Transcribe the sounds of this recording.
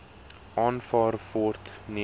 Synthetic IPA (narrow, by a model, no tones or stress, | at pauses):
ʔɑːnfɑːrvɔrtni